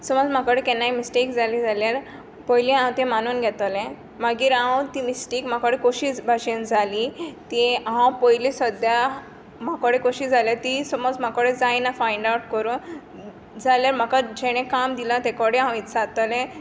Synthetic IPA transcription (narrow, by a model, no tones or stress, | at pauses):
sɔmɔd͡zm̤akɔɽẽkɛnːajmisʈekd͡zalid͡zaljaɾ | pɔjlĩãwt̪ẽmanuːnɡʱɛt̪ɔlɛ̃ | maɡiːɾãwt̪imisʈekm̤akɔɽekoɕibʱaɕend͡zʱalit̪iɦãwpɔjlisɔd̪ja | m̤akɔɽekoɕid͡zaljaɾt̪isɔmɔd͡zm̤akɔɽẽd͡zajnafajɳɖawʈ̚kəɾũː | d͡zaljaɾm̤akad͡ʑɛɽ̃ɛ̃kamd̪ilãt̪ɛkɔɽẽãw̃it̪d͡zat̪ɔlɛ̃